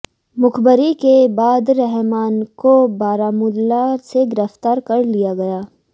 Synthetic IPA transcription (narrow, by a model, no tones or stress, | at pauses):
mʊkbəɾikebaːd̪ɾɛɦmaːnkobaːɾaːmʊlaseɡɪɾəft̪aːɾkɐɾlijaɡɐjaː